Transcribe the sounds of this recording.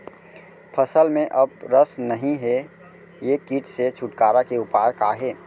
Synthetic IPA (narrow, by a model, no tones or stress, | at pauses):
pʰəsəlmẽʔɐb̚ɾəsnəɦĩɦe | jekiːʈset͡ʃʰʊʈkaːɾakeʊpaːjəkaɦeː